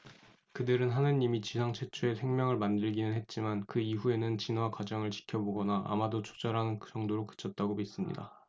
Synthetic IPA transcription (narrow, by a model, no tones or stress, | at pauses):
kɯdɯɾɯnɦanɯɲimit͡ɕisʰaŋt͡ɕʰe̞t͡ɕʰue̞sʰe̞ŋmʲjʌŋɯɭmandɯɭɡinɯnɦe̞t̚t͡ɕ͈imankɯiɸue̞nɯnt͡ɕinwakwad͡ʑʌŋɯɭt͡ɕi̥kʰjʌboɡʌnaʔa̰madot͡ɕʰo̥d͡ʑʌɾɦanɯnkd͡ʑʌŋdoɾokɯ̥t͡ɕʰʌt̚t͈aɡomis͈ɯmɲḭda̰